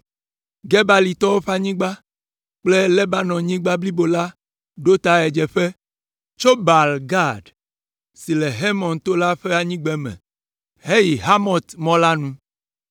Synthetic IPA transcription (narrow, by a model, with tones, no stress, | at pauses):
ɡɛ˦ba˦li˨t̪ɔ˦wo˦ɸa˦ɲĩ˦ɡ͡ba˦ | k͡ple˦lɛ˦ba˦nɔ̃˨ɲĩ˦ɡ͡ba˦bli˦bo˨la˦ | ɖo˦t̪a˨ɛ˨d͡ʒɛ˨ɸe˦ | t͡ʃo˦ba˨lɡa˦˨ɖ | si˨le˨ɦe˦mɔ̃˨nt̪o˦la˦ɸe˦a˨ɲĩ˦ɡ͡bɛ˦mɛ̰̃˨ | ɦe˦ji˨ɦa˦mɔ̃˨t̪mɔ̃˦la˦nũ˦